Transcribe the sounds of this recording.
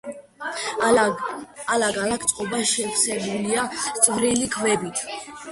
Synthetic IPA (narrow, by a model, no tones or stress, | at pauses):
alaɡalak̚ʰt̪ʼqʼɔbaʃɛpsɛbuliast̪sʼvɾilikʰvɛbit̪ʰ